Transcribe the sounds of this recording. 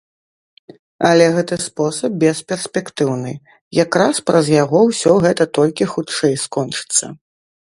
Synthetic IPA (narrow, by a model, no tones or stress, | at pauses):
ɐlʲɛɣɛt̪ɨspɔsɐp̚bʲɛspʲɛrsʲpʲɛkt̪ɨwnɨ̰ | jakɾaspɾɐzjaɣɔwsʲɔɣɛt̪ɐt̪ɔlʲkʲixutt͡ʂɛjskɔnt͡ʂɨ̥t̪sːɐ̰